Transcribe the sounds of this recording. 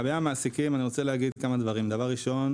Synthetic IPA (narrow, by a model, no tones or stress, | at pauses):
beamaasikimaniʁo̞t͡seleaɡid̪kamad̪vaʁimd̪avaʁːiʃo̞n